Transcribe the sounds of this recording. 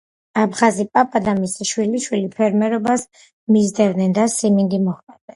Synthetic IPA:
abχazipʼapʼad̪amisiʃwiliʃwilipʰɛɾmɛɾɔbas | mizd̪ɛvd̪nɛnd̪asimind̪imɔχmʼɛd̪ɛ

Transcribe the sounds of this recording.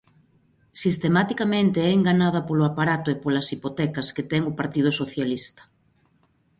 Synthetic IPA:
sist̪emat̪ikamẽnt̪eɛeŋɡanaðɐpoloapaɾat̪ʊepolɐsipot̪ɛkɐsket̪ɛŋopaɾt̪ið̞ʊsoθjalist̪ɐ̥

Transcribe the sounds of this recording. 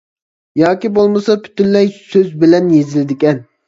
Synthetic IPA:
jɑːkʲibolˠmɨsɑpʰy̥t̪ynlɛjsøzbɪlɛnjezɪlɪd̪ɪkʲɛn

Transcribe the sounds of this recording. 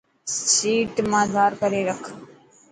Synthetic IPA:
siːʈmãːd̪ʱaːɾkəɾeːɾəkʰ

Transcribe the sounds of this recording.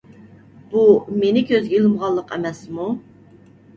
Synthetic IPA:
b̥umenɪkʲʰøzɡʲɛilˠɨmʁɑlˠːəqʰɛ̰mɛsmu

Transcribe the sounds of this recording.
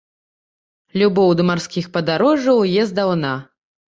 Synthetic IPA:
lʲubɔwd̪ɨmarskʲixpɐd̪aɾɔʐɐwjɛzd̪awna

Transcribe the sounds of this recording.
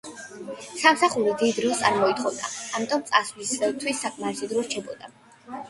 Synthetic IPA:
samsaχuɾid̪id̪ɾist̪sʼaɾmɔit̪χɔvd̪aːmit̪ʼɔmt̪sʼaslisvɛlt̪ʰwisːakʼmaɾɛsid̪ɾɔɾt͡ʃʰɛbɔd̪̥a

